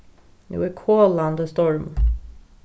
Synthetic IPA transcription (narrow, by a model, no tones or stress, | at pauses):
nṵːəkʰoːland̪əst̪ɔɹm